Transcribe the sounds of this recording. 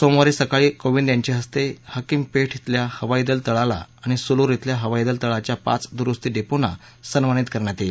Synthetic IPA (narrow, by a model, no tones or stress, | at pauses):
somoɾisəkaɭiːkoʋind̪jaɲt͡ɕiɦəst̪ehəkimpeʈʰɦit̪ljahəʋaid̪əlt̪əɭala̰aɽ̃isuluɾet̪ljaɦəʋaid̪əlt̪əɭat͡ɕjapa̰t͡sd̪uɾust̪iːɖepona̰ | sənʋañit̪kəɾɳjat̪ele